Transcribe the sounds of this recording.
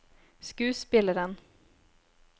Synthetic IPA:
skʉ̟ːspɪlːəɾən

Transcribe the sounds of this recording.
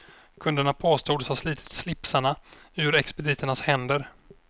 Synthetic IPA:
kʰɵnd̪əɳapʰoːst̪uːd̪shasliːt̪ʰɪ̥t̪slɪpsaɳa | ʉ̟ɾɛkspɛd̪ɪːt̪əɳashɛnd̪əɾ

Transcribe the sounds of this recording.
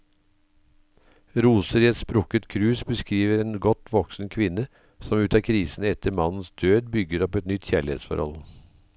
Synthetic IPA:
ɾuːsəɾiɛt̪spɾʊkət̪kʰɾʉːsbəskɾiːʋəɾeːnɡɔt̪ʋɔksn̩kʰʋɪnə | sɔmʉːt̪ɑːkʰɾiːsn̩ɛt̪ʰəɾmɑnn̩sd̪øːd̪bʏɡəɾɔpɛt̪nʏt̪çæːɭɪḛːt̪sfɔ̰ɾhɔ̰l

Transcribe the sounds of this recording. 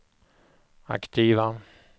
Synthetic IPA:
a̰kt̪ʰiːva

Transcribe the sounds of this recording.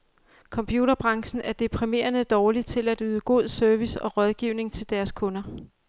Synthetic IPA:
kʰɒ̽mpʰjuɾ̥ɐb̥ʁɑ̈ŋsn̩æɐd̥epʰʁime̝̰ːɐnəd̥ɒːlit͡sʰe̝læd̥yːðˠɡ̥o̝ð̞̰ˠsøɐʋisɒ̽ʁɒ̽ð̞ˠɡ̥iʊne̝ŋt͡sʰe̝ld̥æɐskʰɔ̽nɐ

